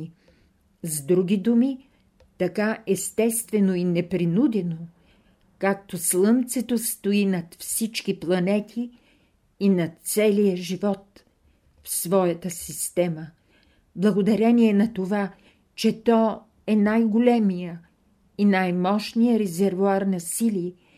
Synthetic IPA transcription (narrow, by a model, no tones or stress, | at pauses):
zd̪ɾuɡid̪umi | t̪ɐkaɛst̪ɛst̪vɛnoinɛpɾinud̪ɛno | kak̚t̪oslˠɤmt̪sɛt̪ost̪oinɐt̪fsit͡ʃkiplˠɐnɛt̪ʰiː | nɐt̪sɛlijəʒivɔt̪ | fsvɔjɐt̪əsist̪ɛmə | blˠɐɡod̪ɐɾɛniɛnɐt̪ova | t͡ʃɛt̪ɔ | ɛnajɡolʲɛmijə | inajmɔʃnijəɾɛzɛɾvuaɾnɐsili